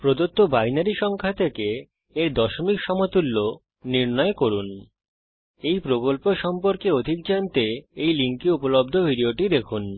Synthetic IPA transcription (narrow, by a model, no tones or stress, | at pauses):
pɾod̪ot̪ːobajnaɾiʃɔŋkʰat̪ʰekeː | ɾd̪ɔʃomikʃɔmot̪ulːo | niɾnɔekoɾun | ejpɾokolpoʃɔmpoɾkeod̪ʱik̚d͡ʑant̪eejliŋkiupolob̚d̪ʱobʱiɖioʈid̪ekʰun